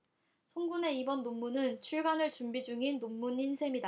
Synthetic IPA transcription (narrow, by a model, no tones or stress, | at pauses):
sʰoŋɡune̞ibʌnːomːunɯnt͡ɕʰuɭɡanɯɭt͡ɕumbid͡ʑuŋinːomːuninsʰemida